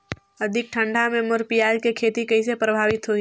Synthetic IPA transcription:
ɐd̪ʱɪk̚ʈʰə̃ɳɖʱamẽmʊɾpijaːd͡ʒkekʰeːt̪ikɐis̬epɾɐbʱaːʋɪt̪ɦoi

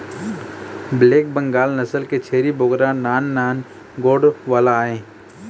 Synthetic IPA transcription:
bleːk̚bə̃ŋɡaːlnəsəlket͡ʃʰeːɾiboɡɾãnaːnːaːn | ɡoːɖʋaːlaːẽː

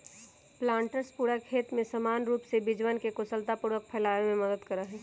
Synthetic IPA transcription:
plãːɳʈəɾspuːɾəkʰeːt̪mẽsəmaːnɾuːpsebɪd͡ʒwənkekʊsəlt̪apuɾək̚pʰɛːlaːemẽməd̪əd̪kɐɾaɦɛː

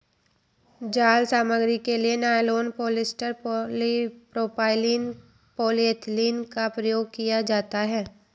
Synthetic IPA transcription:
d͡ʒaːlsaːməɡɾikelienaːjloːnpoːlɪsʈəɾipɾoːpaːɪliːn | poːliət̪ʰliːnkapɾɐjoːɡ̚kijad͡ʒaːt̪aɦɛː

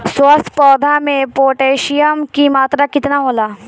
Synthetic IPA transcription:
swəst̪pɔːd̪ʱamẽpoːʈeːʃɪjəmkimaːt̪ɾakɪt̪naɦoːlaː

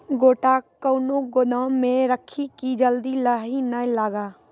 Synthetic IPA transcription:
ɡoːʈakəʊnoɡʊnaːmːẽɾəkʰikid͡ʒəld̪ilaɦinəlaːɡaː

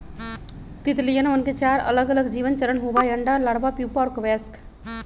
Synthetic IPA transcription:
t̪it̪lijənmənket͡ʃaɾə̰ləɡələɡd͡ʒiːʋənt͡ʃəɾənɦubajɾəɳɖalaɽbapjupaɔɾkəʋɛsk

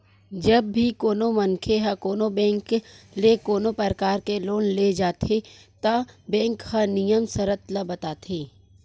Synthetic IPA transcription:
d͡ʒɐbːʱikoːnomɐnkʰeɦɐkoːnobɛ̃ːŋk | lekoːnopəɾəkaːɾkeloːnled͡ʒaːt̪ʰe | t̪ɐbɛ̃ːŋkhɐnijəmsɐɾət̪ləbɐt̪aːt̪ʰeː

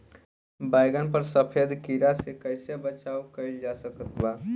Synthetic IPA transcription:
baɪɡənpəɾsəpʰed̪kiɾasekəɪsebət͡ʃaukəɪld͡ʒasəkət̪ba

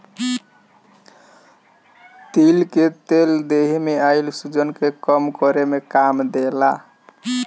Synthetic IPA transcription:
t̪ilket̪eld̪eɦmeailsud͡ʒənkekəmkɔɾemekamd̪ela

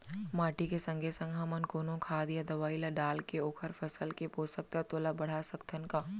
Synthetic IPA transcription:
maːʈikesɐ̃ŋɡʱesɐ̃ŋɡʱaːmənkoːnõkʰaːd̪jad̪ɐʋaːilaɖaːlkeoːkʰəɾpʰɐsəlkepoːsək̚t̪at̪oːlabɐɽ̤asɐkt̪ʰənkaː

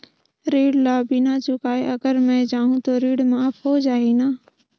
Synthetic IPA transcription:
ɾiːɽlaːbinat͡ʃʊkaːeʔɐɡəɾmɛ̃d͡ʒaːɦũt̪oɾiːɽmaːpɦod͡ʒaːenaː

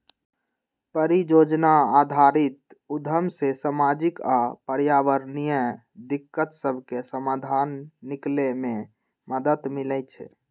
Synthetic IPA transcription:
pəɾijod͡ʒnaːd̪ʱaɾit̪ | ud̪ʱəmsesamad͡ʒikapəɾjaʋəɾnijə | d̪ikːət̪səbʱkesəmad̪ʱanːikleme | məd̪ət̪milɛjt͡ʃʰɛ̰

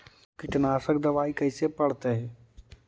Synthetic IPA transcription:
kɪʈnaːsək̚d̪ɐʋaːikɐisepɐɽ̤t̪eɦɛ̃ː

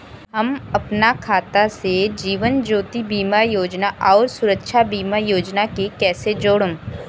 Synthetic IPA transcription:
ɦɐmɐpnakʰaːt̪ased͡ʒiːʋənd͡ʒoːt̪ibiːmajoːd͡ʒnaʔɔːɾsʊɾəkʃʰabiːmajoːd͡ʒnakekɛːsed͡ʒoːɽõ

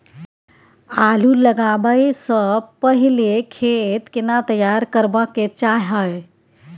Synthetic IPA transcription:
aluləɡabəjsəpəɦilekʰet̪kenat̪əjaɾkəɾbəkːet͡ʃaɦəj

